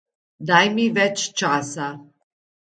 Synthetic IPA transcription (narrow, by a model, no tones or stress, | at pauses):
d̪ajmivɛt͡ʃt͡ʃasa